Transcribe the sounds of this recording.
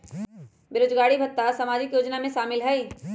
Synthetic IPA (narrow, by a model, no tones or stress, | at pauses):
bɪɾoːd͡ʒɡaːɽibʱɐt̪ːasɐmaːd͡ʒɪkjoːd͡ʒnamẽʃaːmɪlɦɛi